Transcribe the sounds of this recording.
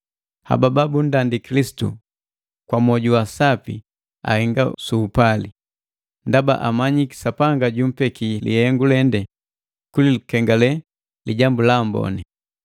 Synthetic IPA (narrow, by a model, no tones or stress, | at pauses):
ha̰bababundandikilisi̥tṵ | kwamɔɟuwasapḭ | a̰hɛŋɡasuːpali | ndaba̰ʔamaɲiki̥sapaŋɡaɟum̩pɛkilḭhɛŋɡulɛndɛ | kulilukɛŋɡalɛ | liɟambulambɔ̰ni